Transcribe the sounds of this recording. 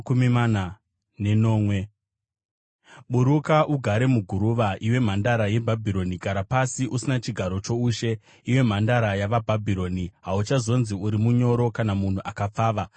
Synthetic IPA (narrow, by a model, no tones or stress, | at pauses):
kumimana | ne̞no̞ːmwe̞ | ɓuɾukaʔuɡʱaɾe̞muɡʱuɾuʋaʔiwe̞m̤andaɾaje̞bʱabʱiɾo̞niɡʱaɾapasiʔusinat͡ʃiɡʱaɾo̞t͡ʃo̞uːʃe̞ | iwe̞m̤andaɾajaʋabʱabʱiɾo̞ːniɦaut͡ʃazo̞nziuɾimuɲo̞ɾo̞kanamun̤uʔakap͡faːʋa